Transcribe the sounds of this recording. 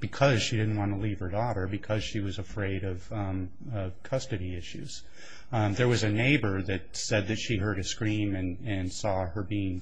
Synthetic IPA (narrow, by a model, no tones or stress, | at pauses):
b̥ɨkʰʌz̥ʃidɪdⁿn̩ʔ̚wɑ̃nəliv̥ə˞dɔɾə˞bɨkʰʌz̥ʃiwʌzɨfɹeɪɾʌv̥ | ʌv̥kʰʌstɨɾiɪʃʉ̰z̥ | ðə˞wʌzɨneɪbə˞ðɨt̚sɛd̪̚ðɨtʃiɦɜ˞ɾɨskɹĩmɨ̃nɨ̃nsɔə˞biɪ̃ŋ